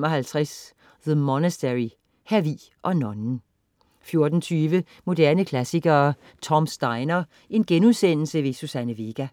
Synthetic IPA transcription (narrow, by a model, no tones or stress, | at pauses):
mɒ̽ɦælt͡sʰʁas | ðəmɒnəsd̥eʁi | hæʋḭ | ʔɒ̽nɒ̽nn̩ | fjo̝ɐd̥n̩t͡sʰyːʋə | mo̝d̥æɐnəkʰlæsiɡ̥ɐː | t͡sʰɒ̽msd̥ɑ̈ɪnɐ | ʔe̝nɡ̥enuðˠsen̰l̩səʋe̝susænəʋe̝ɡ̥æ